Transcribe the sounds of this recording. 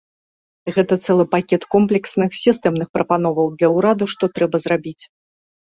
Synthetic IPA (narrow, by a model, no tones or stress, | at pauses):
ɣɛt̪ɐt̪sɛlˠɨpakʲɛt̪kɔmplʲɛksnɨxsʲist̪ɛmnɨxpɾɐpanɔvɐwd̪lʲɐwɾad̪uʂt̪ɔt̪ɾɛbɐzrabʲit͡sʲ